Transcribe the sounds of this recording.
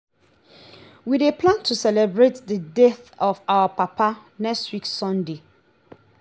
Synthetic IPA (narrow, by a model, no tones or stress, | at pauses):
widepʰlãntʰusɛlɛbɹetdədɛθɔfawapʰapʰanɛkstwikssɔ̃nde